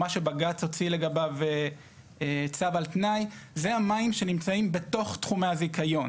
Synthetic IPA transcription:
aʃe̞baɡat͡so̞t͡sile̞ɡabave | et͡savalt̪najzeamaimʃenimt͡saimbe̞to̞χtχumaazikajo̞n

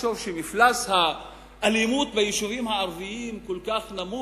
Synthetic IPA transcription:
ʃovʃemiflasha | ʔːlimut̪bejiʃuvimhaaʁviimkolkaχnamu

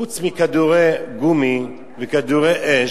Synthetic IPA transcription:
ut͡smikad̪uʁeɡumi | vekad̪uʁeʔe

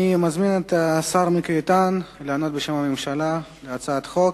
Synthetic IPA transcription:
imazminet̪asaɾmikːt̪anleano̞t̪̚beʃemamemʃalaleat͡saaat̪χo̞k

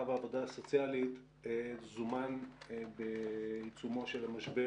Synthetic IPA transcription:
avaːvo̞daːso̞t͡sijalit̪ | zumanbeit͡sumo̞ʃelamaʃbe

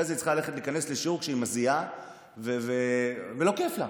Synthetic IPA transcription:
ezit͡sχaale̞χetliːkanesleʃukʃeimazia | vevevelo̞ke̞fla

